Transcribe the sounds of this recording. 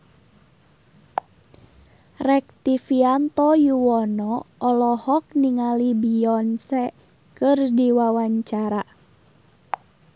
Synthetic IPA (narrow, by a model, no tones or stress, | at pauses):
rɛk̚t̪ifiant̪ɔjuwɔnɔːlɔhɔk̚niŋalibiɔnsɛ | kɨrdiwawaɲt͡ʃaɾa